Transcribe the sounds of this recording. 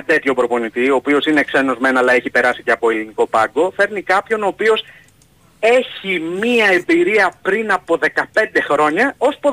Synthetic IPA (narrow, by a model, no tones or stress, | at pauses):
t̪e̞t̪ço̞bɾo̞po̞nit̪io̞ːpio̞sine̞kseno̞zme̞nɐlɐe̞çipe̞ɾɐsi̥ceɐpo̞eliniko̞pɐŋɡo̞fe̞ɾnikɐpço̞no̞ːpio̞s | e̞çimiɐe̞mbiɾiɐpɾinɐpo̞ðe̞kɐpe̞nd̪e̞xɾo̞ɲɐo̞spo